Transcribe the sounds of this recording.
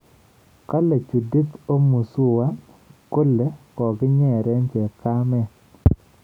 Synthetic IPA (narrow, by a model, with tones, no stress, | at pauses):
ka˦le˨t͡ʃu˨di˦t̪o˦mu˨su˦wa˦ | ko˦lːe˦kɔ˨ɡɪ˦ɲɛ˦˨ɾɛ˦ɲt͡ʃɛ˨ka˦mɛ˦